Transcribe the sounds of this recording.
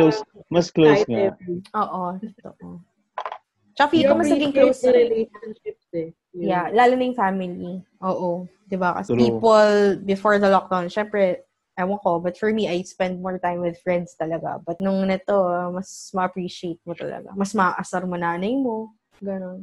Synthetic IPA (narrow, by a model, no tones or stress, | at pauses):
osmɐsklosŋaʔoːʔot̪t̪o̰ʔo | t͡ʃɐkɐfikomɐsnɐɡɪŋklowsɐɾɛlejʃɐnʃɪp̚sɛ | jalaːlʊnɐjʊŋfaːmɪliʔoːʔo | d̪ɪbakɐ̰sɛpiːpolbɪfoɹd̪ɐlɔk̚d̪awnʃɛmpɾɛ | ʔɐwɐkobɐt̪fɔɹmiʔɐjspɛnd̪̚mɔɹt̪ajmwɪd̪fɹɛ̃nd̪st̪ɐlɐɡa̰bɐt̪̚nʊŋnɐt̪omɐsmɐʔɐpɹiʃɪejt̪̚mot̪ɐ̰lɐ̰ɡa̰mɐsmɐaʔɐsɐɾmonaːnɐjmo̞ | ɡɐno̞n